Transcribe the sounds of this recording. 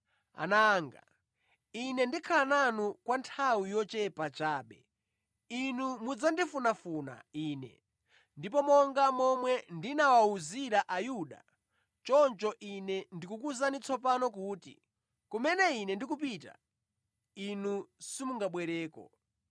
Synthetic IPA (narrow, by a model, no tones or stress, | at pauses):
a̰naːŋɡa̰ | inɛndikʰalananukwantʰawijɔt͡ʃɛpat͡ʃaːɓɛ̰ | inumud͡zandifunafuna̰iːnɛ̰ | ndip̬ɔmɔŋɡamɔmwɛndinawauziɾaʔajuɗa̰ | t͡ʃɔnt͡ʃɔʔinɛndikukuzanit͡sʰɔpanɔk̬uːtḭ | kumɛnɛinɛndikup̬ita̰ | inusimuŋɡaɓwɛɾɛːkɔ̰